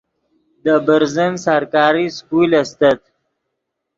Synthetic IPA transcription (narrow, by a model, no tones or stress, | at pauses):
d̪əbəɾzənsaɾkɑːɾiskulast̪at̪̚